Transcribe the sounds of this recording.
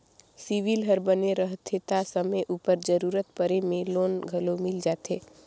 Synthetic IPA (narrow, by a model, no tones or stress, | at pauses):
siʋilɦəɾbəneɾəɦt̪ʰet̪asəməʔuːpəɾd͡ʒəɾuːɾət̪pəɾemẽloːnɡʱəlomɪld͡ʒaːt̪eː